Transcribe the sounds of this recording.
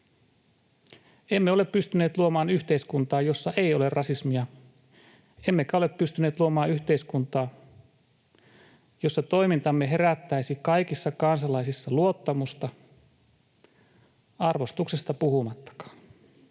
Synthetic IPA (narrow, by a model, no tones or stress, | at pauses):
e̞mːeoleppyst̪yneːt̪luomɑːnyçt̪eiskunt̪ɑːjo̞sːɑʔe̞io̞le̞rrɑsismiɑ | e̞mːe̞kæoleppyst̪yneːt̪luomɑːyçt̪e̞iskunt̪ɑː | jo̞sːɑt̪o̞imint̪ɑmːe̞ɦe̞ɾæt̪ːæisikɑjkisːɑkɑnsɑlɑisisːɑluo̞t̪ːɑmust̪ɑ | ɑrʋo̞st̪uksest̪ɑpuhumɑt̪ːɑ̥kɑ̥ːn